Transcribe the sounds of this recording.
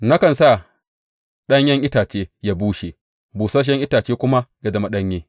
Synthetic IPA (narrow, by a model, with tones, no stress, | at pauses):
na˦kɐ˨nsa˦˨ | ɗɐ˦ɲjɐ˦ŋʔɪ˦taː˨t͡ʃeː˦ja˦buː˦ʃe˨ | buː˨sa˦ʃ̬ɛ˦ŋʔɪ˦taː˨t͡ʃeː˦kʷʊ˦ma˦ja˨dɐ˨ma˦ɗɐ˦ɲjeː˦